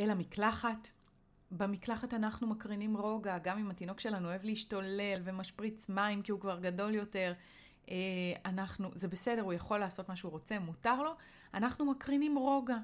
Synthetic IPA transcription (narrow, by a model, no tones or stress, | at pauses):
elamiklaχat | bemiklaχatanaχnumakʁinimʁo̞ɡaɡamimatino̞kʃe̞lanuoevliiʃtole̞lvemaʃpʁit͡smaimkiukvaʁɡado̞ljo̞te̞ʁ | eanaχnuze̞be̞se̞de̞ʁujaχo̞lːaːso̞tmaʃeuʁo̞t͡se̞mutaʁlo̞ | anaχnumakʁinimʁo̞ɡa